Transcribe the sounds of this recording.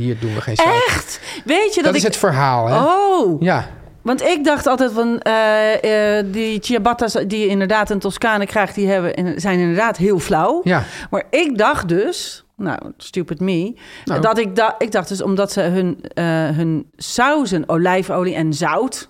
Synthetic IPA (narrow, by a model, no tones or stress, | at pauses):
hiːɹdunʋəxḛːnɛxtʋeːtjədtɪɪsətfəɹɦaːlˠoja | ʋɑntɪk̚dɑxtɔlˠtɛjtʋɔn | ditiabatasdiɪndəɹdaːtəntɔskaːnəkrɛjxtdiɦɛbəʔɪ̰nzɛjnɪndəɹdaːtɦiəlˠflawjmaɹɪk̚dɑxt̚døs | no̰wstypətmidɔtɪk̚dɔɪɡ̚dɑxd̥øs̬ɔ̰mdɔtsəɦønɦənsawzənoːlɛjfoːliʔɛnzawt